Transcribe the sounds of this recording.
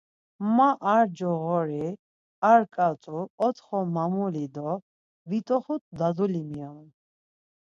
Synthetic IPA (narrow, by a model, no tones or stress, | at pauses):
maʔaɾd͡ʒɔɣɔɾi | aɾkʼat̪ʼuɔt̪ʰχɔmamulid̪ɔ | vit̪ʼɔχut̪d̪ad̪ulimiɔn